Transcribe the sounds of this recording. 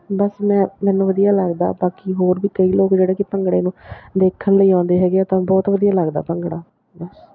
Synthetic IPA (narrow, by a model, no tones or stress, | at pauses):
bəsmɛ̃ːmɛːnũːʋəd̪ijaːləɡd̪a̰ːbaːkiːɦoːɾʋiːkəiːloːkd͡ʒeːɽeːkipəŋɡɽeːnũːd̪eːkʰːənləiːãːnd̪eːɦɛːɡeaːt̪ãːbɔːt̪ʋəd̪ijaːləɡd̪a̰ːpəŋɡɽaː | bəs